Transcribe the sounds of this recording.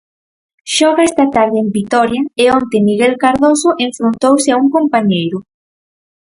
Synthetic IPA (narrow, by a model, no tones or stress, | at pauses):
ʃɔɣaɛst̪at̪aɾðɪembit̪ɔɾjɐɪont̪emiɣelkaɾðosoʔeɱfɾont̪owsɪauŋkompaɲejɾʊ